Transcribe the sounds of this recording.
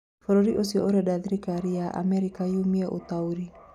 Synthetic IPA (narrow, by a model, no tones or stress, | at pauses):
fɔɾoɾiʔosiɔ̰oɾɛdaðiɾikaɾiaʔa̰mɛɾikajumiɛʔo̰t̪auɾi